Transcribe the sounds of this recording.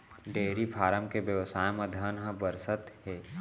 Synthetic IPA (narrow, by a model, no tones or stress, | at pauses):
ɖeːɾifʰaːɾəmkebjəʋsaːjmẽd̪ʱənɦə̃bəɾsət̪heː